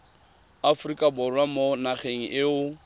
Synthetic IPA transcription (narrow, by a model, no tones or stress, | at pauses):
afrikʼabʊrwamonaχeŋ̩ʔɪʊ